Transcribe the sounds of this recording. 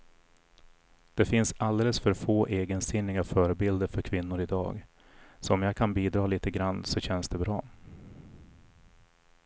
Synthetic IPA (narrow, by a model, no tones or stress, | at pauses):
d̪̥ɛfɪnsald̪eːləsfœɾfoːʔeːɡənsɪnːɪɡafœːɾəbɪld̪əɾfœɾkʰvɪnːʊɾɪd̪ɑ̰ːɡ | sɔɔmjaːɡkʰanbiːd̪ɾɑːliːt̪əɡɾanːsɔɕɛnsd̪ɛbɾɑ̰ː